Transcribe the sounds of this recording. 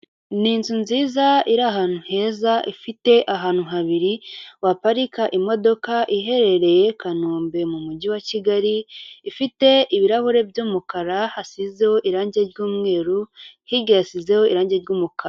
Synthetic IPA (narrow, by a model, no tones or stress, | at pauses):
ninzunziːzaiɾaɦaːnuhe̞ːzaʔifite̞ʔaɦaːn̥uɦaβiɾiwapaɾikaʔimo̞do̞kaʔiɦe̞ɾe̞ɾe̞je̞kanuːmbe̞mumuɟiwaciɡaɾiːfite̞iβiɾahuɾe̞bjoːmukaɾahasize̞ho̞ʔiɾaːɲɟe̞ɾɟuːmŋe̞ːɾuhiɾɟajasize̞ho̞iɾaːɲɟeɾɟuːmukaɾ